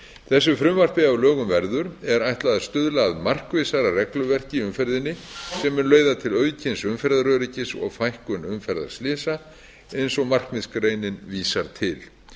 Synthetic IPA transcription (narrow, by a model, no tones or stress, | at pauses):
θɛs̬ːʏfɾʏmvar̥pɪavlœːɣʏmvɛɾðʏɾɛɾajht̪laðast̪ʏðlaːðmar̥kvɪsaɾarɛklʏvɛr̥cɪʏmfɛɾðɪnːɪsɛmɛɾlœːɥðat̪ʰɪlœːɥcʰɪnsʏmfɛɾðaɾœɾɪcɪsɔ̰ɣfajhkʏnʏmfɛɾða̰ɾ̥slɪːsa | ejnsɔɣmar̥kmɪskɾreːjnɪnviːsaɾt̪ʰɪl